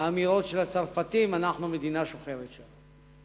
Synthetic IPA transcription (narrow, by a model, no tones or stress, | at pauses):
miʁo̞tʃe̞lat͡saʁfat̪imanaχnume̞d̪inaʃoχeʁet̪ʃan